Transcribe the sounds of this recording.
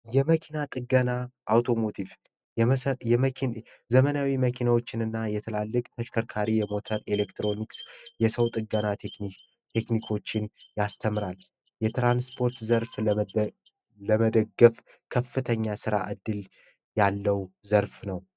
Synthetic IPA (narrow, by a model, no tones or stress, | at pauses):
jɛməkʰinat̪ʼɨɡənaʔːwt̪ʰo̞mo̞t̪ʰiv | jɛ | zəmənawiməkʰinawo̞t͡ʃːɪnɨnːajɛt̪ʰəlalːɨkʼt̪ʰəʃkʰəɾkʰaɾijɛmo̞t̪ʰəɾelekt̪ɾo̞niksjɛsəwt̪ʼɨɡəna | t̪ʰe̞knikʰo̞t͡ʃːɪnjast̪ʰəmɾal | jɛt̪ɾanspʰo̞ɾt̪zəɾf | ləməd̪əɡːəf | kʰəfːɨt̪ʰəɲːasɨɾa̰ʔɨd̪ːɨl | jalːəwzəɾfnəw